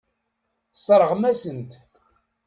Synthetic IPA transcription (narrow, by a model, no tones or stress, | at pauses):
sˤɾˤəʁmæsənt̪